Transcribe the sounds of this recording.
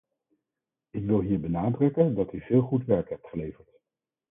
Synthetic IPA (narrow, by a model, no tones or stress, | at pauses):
ɪkʋɪlˠɦiːɹbənaːdrɵkəndɑtyvɪːlˠχutʋɛɹkɦɛp̚tχəlejvəɹt